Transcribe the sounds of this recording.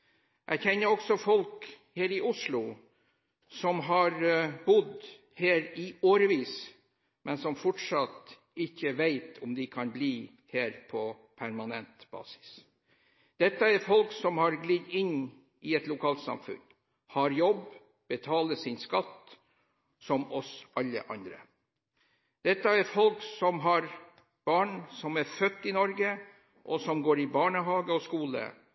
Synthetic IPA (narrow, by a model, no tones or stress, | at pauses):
ʔæçɛnːəɾɔksɔfɔlk | heːɾɪʔʊʂlʊ | sɔmɦɑɾbʊd̪ | heːɾɪoːɾəʋiːs | mʔɛnsɔmfɔʈʂɑt̪ | ɪçːəʋeɪt̪ʰɔmd̪ɪkʰɑnbliː | heːɾpʰɔ | pʰæɾmɑnɛnt̪b̥ɑ̰ːsɪ̥s | d̪̥ɛt̪ːəæɾfɔlksɔmhɑɾɡliːd̪ɪnː | ɪɛt̪lʊkʰɑːlt̪sɑ̰mfʉ̰n | hɑɾjɔb | b̥ət̪ʰɑːləsɪnskɑt̪ː | sɔmɔsɑlːə̰ʔɑnd̪ɾə̰ | d̪̥ɛt̪ːəæɾfɔlksɔmɦɑɾ | b̥ɑːɳsɔmæɾfœt̪ːɪnɔɾɡə | ʔɔsɔmɡoːɾɪbɑːɳəɦɑːɡəɔskuːlə̰